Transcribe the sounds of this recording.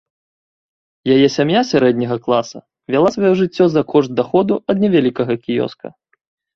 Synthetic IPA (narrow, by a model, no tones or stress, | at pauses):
jajɛsʲamjasʲaɾɛd̪ʲnʲɐɣɐklˠasɐ̰ | vʲalˠasvajɔʐɨt͡sʲːɔzɐkʰɔʐt̪̚d̪axɔd̪uɐd̪nʲɛvʲalʲikɐɣɐkʲijɔ̰skɐ̰